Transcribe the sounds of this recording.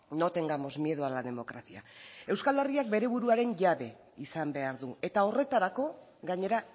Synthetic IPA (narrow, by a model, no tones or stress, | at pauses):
not̪e̞ŋɡamo̞zmje̞ðualaðe̞mo̞kɾasiae̞wskale̞riak̚be̞ɾe̞βuɾuaɾe̞ɲʝaβe̞ | isambe̞aɾðue̞t̪ao̞re̞t̪aɾako̞ | ɡaɲe̞ɾa